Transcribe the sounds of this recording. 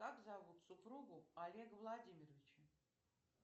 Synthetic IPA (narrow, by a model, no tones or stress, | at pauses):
kakzavut̪sʊpɾuɡʊalʲeɡəvlˠadʲimʲɪrəvʲɪt͡ɕə